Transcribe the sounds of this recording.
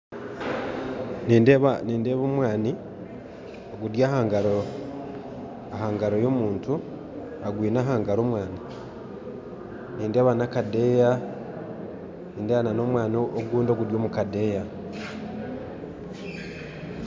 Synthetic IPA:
nindeβaniːndeːβomwaːni | oɡudjaːhaːŋɡaɾo | ahaːŋɡaɾo̞jo̞muːntu | aɡwiːnaːɦaːŋɡaɾoːmwaːni | niːnde̞ːβanakade̞ːja | niːndeβanano̞mwaːniooɡuːndo̞ɡuɾjo̞ːmukade̞ːja

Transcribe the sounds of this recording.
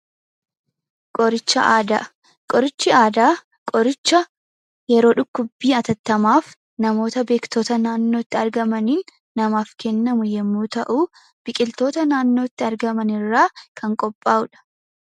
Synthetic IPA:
kʼɔɾɪt͡ʃːɐ̰ʔaːd̪a | kʼɔɾɪt͡ʃːɪaːd̪aː | kʼɔɾɪt͡ʃːɐ | jɛɾo̞ːᶑʊkːʊbːiːɐt̪ɐt̪ːɐmaːf | nɐmo̞ːt̪ɐbe̞ːkt̪o̞ːt̪ɐnaːnːo̞ːɪt̪ːɪɐɾɡɐmɐniːnː | ɐmaːfkɛnːɐmʊjɛmːuːt̪ɐʔuː | b̥ɪkʼɪlt̪o̞ːt̪ɐnaːnːoːɪt̪ːɪɐɾɡɐmɐnɪrːaːkʰɐŋkʼɔpʼːaːʔʊᶑɐ̥

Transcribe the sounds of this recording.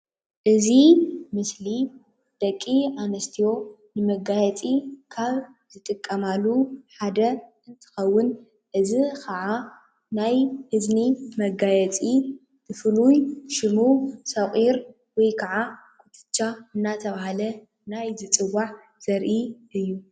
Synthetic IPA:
ʔɨzimɨsli | d̪̥ɐkʼːianɐst̪ʰijo̞ | nɨmɐɡajɛt͡sʼikʰaβ | zɨt̪ʼɨkʼːɐmalːuħad̪ɐ | ɨnt̪ʰɨ̥xɐwːʊn | ʔɨzikʰɐʕa | najhɨznimɐɡajɛt͡sʼi | t̪ʰɨfɨlujʃɨmusɐχʼiɾ | wɔjkʰɐʕa | kʰʊt̪ʰɨ̥t͡ʃːaɨnːat̪ʰɐβahalɐ | najzɨt͡sʼɨwaħ | z̥ɐɾʔiʔɨjːu

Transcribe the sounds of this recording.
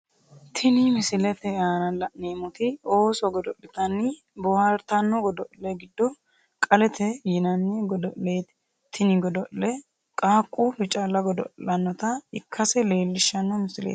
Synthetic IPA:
t̪ʰɪnɪmɪsɪlɛt̪ɛaːnɐlɐʔnemʊt̪ɪoːsɔɡɔd̪ɔʔɪt̪ɐnːɪ | bɔwaɾt̪ɐnːɔɡɔd̪ɔʔlɛɡɪd̪ːɔ | kʼɐlɛt̪ʰɛjɪnɐnːɛɡɔd̪ɔʔleːt̪ | t̪ʰːɪnɪɡɔd̪ɔʔlɛ | kʼaːkʼːufɪt͡ʃʼɐlːɐɡɔd̪ɔ̰ʔlɐnːɔt̪ɐɪkʰːɐsɛle̞ːlːɪʃːɐnːɔmɪsɪlḛː

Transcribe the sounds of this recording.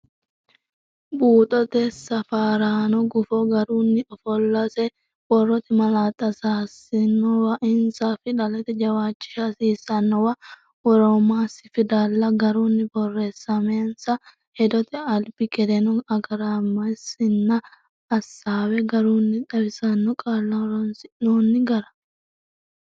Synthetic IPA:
buːt̪ʼɔt̪ɛsɐfaːɾaːnɔɡʊfɔɡɐɾuːnːɪɔfɔlːɐsɛ | wɔrːɔt̪ɛmɐlaːt̪ʼːɐsaːsɪnːɔwɐʔɪnsɐfɪᶑɐlɛt̪ɛd͡ʒɐwaːt͡ʃːɪ̥ʃɐsiːsɐnːɔwɐ | wɔɾomaːsɪfɪd̪aːlːɐɡɐɾuːnːɪbɔrːeːsːɐmeːnsɐ | hɛd̪ɔt̪ɛɐlbɪkʼɛd̪ɛnɔɐɡɐɾaːmɐsɪnːɐː | sːaːwɛɡɐɾuːnːɪᶑɐbɪsɐnːɔkʼaːlːɐwɔɾɔnsɪnoːnːɪɡɐɾɐ̥

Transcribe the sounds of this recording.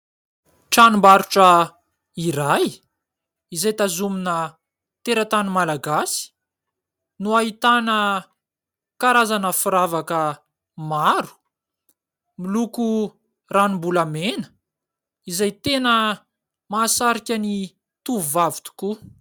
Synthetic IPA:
ʈ͡ʂanimbaɾuʈ͡ʂə | iɾaj | izajt̪azuminə | t̪eɾat̪animalaɡasi̥ | nuaɦit̪anə | kaɾazanəfuɾavakə | maɾu̥ | miluku | ranimbulamenə̥ | izajt̪enə | maːsaɾikʲani | t̪uvuvavi̥t̪u̥ku

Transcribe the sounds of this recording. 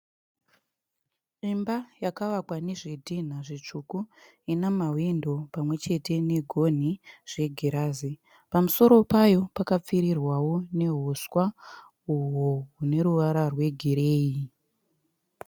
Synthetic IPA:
imbajakaʋakwaneʐedʱin̤aʐit͡ʂuku | inamawindo̞pamwe̞t͡ʃe̞te̞ne̞ɡʱo̞n̤iʐ̥e̞ɡʱeɾaːzi | pamuso̞ɾo̞pajo̞pakap͡fiɾirwawo̞ne̞ɦuswa | uɦoɦune̞ɾuʋaɾarwe̞ɡʱiɾe̞ːji

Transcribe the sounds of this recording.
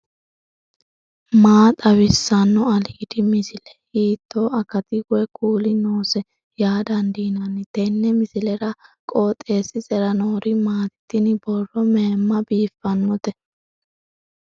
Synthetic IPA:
maːt̪ʼɐwɪsːɐnːɔɐliːd̪ɪmɪsɪlɛ̥hiːt̪ːo̞ːɐkɐt̪ɪɡʊɛkʰuːlɪnoːsɛ | jaːd̪ɐnd̪iːnɐnɪt̪ɛnːɛmɪsɪlɛɾɐkʼo̞ːt̪ʼːe̞ːsːɪsʼɛɾɐnoːɾɪmaːt̪t̪ːɪnbɔrːɔmeːmːɐbiːfːɐnːɔt̪ɛ

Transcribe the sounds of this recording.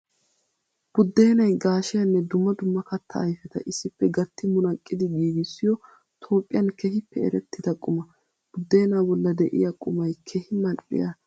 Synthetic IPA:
b̥ʊd̪ːe̞ːnɐjɡaːʃɪjɐnːɛd̪ʊmːɐd̪ʊmːɐkɐt̪ʰːɐːjfɛt̪ɐ̰ʔɪsːɪpːɛɡɐt̪ːɪmʊnɐkʼːɪd̪ɪɡiːɡɪsːɪjɔ | t̪ʰo̞ːpʼːɪjɐnkɛhɪpːɛɛ̰ɾɛt̪ːɪd̪ɐkʼʊmɐ | b̥ʊd̪ːe̞ːnaːbɔlːɐd̪ɛʔɪ̰jɐkʼʊmɐjkʰɛhɪmɐɗɪ̰jɐ

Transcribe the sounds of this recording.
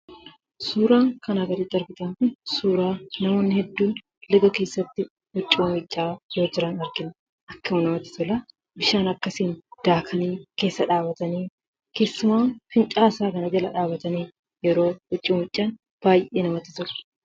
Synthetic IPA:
suːɾaːŋkɐnɐɡɐɾɪd̪ɐɾbɪt̪ɐŋkʊnsuːɾaːnɐmo̞ːnːɪhɛd̪ːuːn | lɪɡɐke̞ːsːɐt̪ːɪ | hʊt͡ʃʼːimɪt͡ʃʼːaːjoːd͡ʒɪɾɐnɐɾɡɪnɐ | ʔɐkːɐʊnɐmɐt̪ɪ̥t̪ɔlɐ | bɪʃaːnɐkːɐsiːnd̪̥aːkʰɐniːke̞ːsːɐᶑaːbɐt̪ɐniː | ke̞ːsːʊmaːnfɪnt͡ʃʼaːsaːkɐnɐd͡ʒɐlɐ̰ᶑaːbɐt̪ɐniː | jɛɾo̞ːhʊt͡ʃʼːiːmɪt͡ʃʼːaːn | b̥aːjʔeːnɐmɐt̪ɪt̪ʊl

